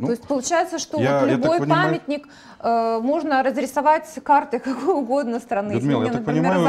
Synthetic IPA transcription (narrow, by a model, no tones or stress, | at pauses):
t̪o̞jɪsʲt̚ʲpəlˠʊt͡ɕæjɪt̪səʂt̪oolʲbo̞jppamʲɪt̪ʲnʲɪk | əmo̞ʐnəɾəzɾʲɪsɐvatʲkart̪ɨkɐkojʊɡo̞d̪nəst̪ɾɐnɨenəpɾʲɪmʲe